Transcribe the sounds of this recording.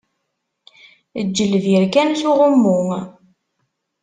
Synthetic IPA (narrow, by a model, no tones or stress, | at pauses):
əd͡ʒːəlviɾkænθuʁəmːʊŋ